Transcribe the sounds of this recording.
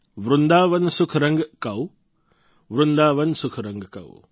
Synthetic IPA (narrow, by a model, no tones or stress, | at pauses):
ʋɾʊnd̪aːʋɐnsʊkʰɾɐ̃ŋɡkaw | ʋɾʊnd̪aːʋɐnsʊkʰɾɐ̃ŋɡkɐ̰ṵ